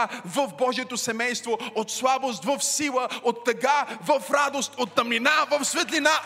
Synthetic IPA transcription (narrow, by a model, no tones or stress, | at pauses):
vəfbɔʒiɛt̪osɛmɛjst̪voot̪slˠabost̪vəfsilˠəot̪ːɐɡavəfɾad̪ost̪ot̪ːɐmlinavəfsvɛt̪lina